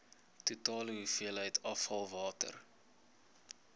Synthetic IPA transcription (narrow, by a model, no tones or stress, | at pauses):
tutɑːləɦufiəlɦəjtʰɐfhɐlˠvɑːtə̰r